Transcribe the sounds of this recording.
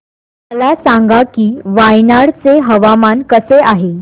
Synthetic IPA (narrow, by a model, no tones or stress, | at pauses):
məlasãŋɡakiːʋajnaɽt͡seɦəʋamankəseaɦe